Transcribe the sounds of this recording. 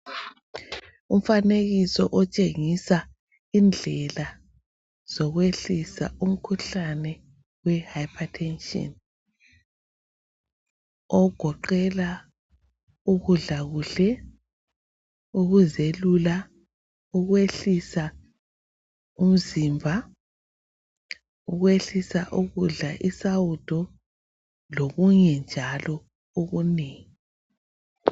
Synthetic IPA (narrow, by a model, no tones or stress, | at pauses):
um̩faneɣisɔʔɔt͡ʃʼeŋisa | ind͡ɮʱɛla | z̥ɔɣweɬisa̰ʔum̩kʰuɬanɛ | wɛhajpʰatʰɛnʃʼɔ̰n | ɔɡ̥ʱɔǃɛla | uɣuɮaɣuɬɛ | uɣuzelula | uɣweɬisa | um̩zimbʱa | uɣweɬisaʔuɣuɮaʔisawud̥ʰʱɔ | loɣuɲɛnd͡ʒʱalɔ | oɣuneːŋi